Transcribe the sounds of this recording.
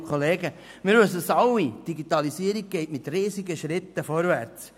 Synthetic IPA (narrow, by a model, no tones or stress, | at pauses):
kʰχoleːɡə | mɪɾʋøsəsɑwid̥iɡit̪ɑlisiːəɾiɡ̚ɡ̥ɛɪtmɪt̪riːziɡəʃɾɪt̪ːəfɔɾvæɾt͡s